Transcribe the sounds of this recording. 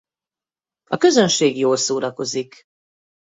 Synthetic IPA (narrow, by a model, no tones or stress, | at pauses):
ɒkøzønʃeːɡjoːlsoːɾɒko̞zik